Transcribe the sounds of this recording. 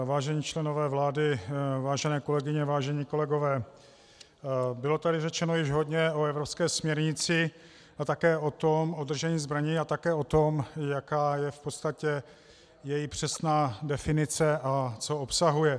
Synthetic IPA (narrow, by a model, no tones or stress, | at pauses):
vaːʒɛɲiːt͡ʃlɛno̞vɛːvlaːdɪvaːʒɛnɛːko̞lɛɡɪɲɛvaːʒɛɲiːko̞lɛɡo̞vɛː | bɪlo̞t̪adɪrɛt͡ʃɛnojɪʒɦo̞dɲɛo̞ɛvɾo̞pskɛːsmɲɛɾɲɪt͡sɪ | at̪akɛːʔo̞t̪o̞mod̪r̩ʒɛɲiːzbɾaɲiat̪akɛːo̞t̪o̞mjakaːjɛfpot̪st̪acɛ | jɛjɪpr̝̥ɛsnaːdɛfɪnɪt͡sɛʔat͡soopsaɦujɛ